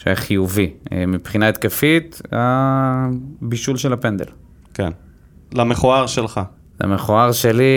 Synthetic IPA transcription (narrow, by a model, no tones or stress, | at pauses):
ʃaχijuvimipχinaet̪̚kefit̪a | biʃulʃelapend̪ḛl | ken | lameχoaʁʃelχa | la̰meχoaʁʃeli